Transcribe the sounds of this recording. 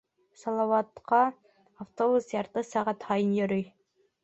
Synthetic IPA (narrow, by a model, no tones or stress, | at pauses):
sɑlˠɑwɑt̪qɑ | ɑft̪obusjɑɾt̪əsæʁæt̪hɑjɨnjoɾyj